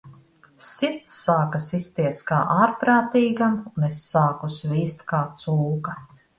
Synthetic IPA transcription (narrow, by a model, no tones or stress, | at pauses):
siɾt̪sːaːkasist̪iɛska̰ːʔaːɾpɾaːt̪iːɡamunesːaːkusviːst̪kaːt̪suːka